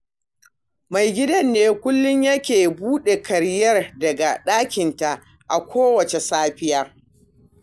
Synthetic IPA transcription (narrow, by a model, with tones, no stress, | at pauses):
ma˨jɡʲɪ˦dɐ˦nːeː˦kʷʊ˦lːʊ˦ɲjɐ˦kʲeː˨buː˦ɗe˨kʰɐ˨ɾjɐ˦rdɐ˨ɡa˨ɗaː˦kʲɪ˨nta˨ʔ | ʔa̰˨kʷoː˦wɐ˨t͡ʃe˨saː˦ɸɪ˦jaː˦